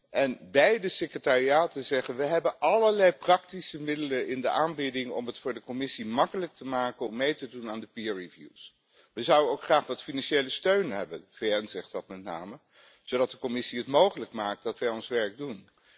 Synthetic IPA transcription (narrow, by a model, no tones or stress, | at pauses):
ʔɛnbɛjdəsɪkrətaːriaːtəzɛχənʋəɦɛbənʔɑləɹlɛjprɑk̚tisəmɪdələɪndəʔaːnbɪdɪŋɔ̰mətfʊːɹdəkɔmɪsimɑkələk̚təmaːkənɔmːejtədunaːndəpiaɹivjṵs | ʋəzʌwənowkχraːχʋɑtfinɑnʃejləstøɥnɦɛbənvejɛnzɛχtdɑtmɛt̚na̰ːmə | z̥owdɑt̚dəkɔmɪsiɦətmowχələkmaːk̚t̚dɑtʋɛjɔnsʋɛɹɡ̚dun